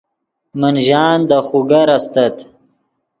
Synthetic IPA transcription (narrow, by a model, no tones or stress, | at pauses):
mənʒɑːnd̪əxuɡaɾast̪ɐt̪